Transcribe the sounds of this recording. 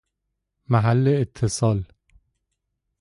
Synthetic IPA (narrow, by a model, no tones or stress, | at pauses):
mæɦælːeːt̪ʰːesɒːl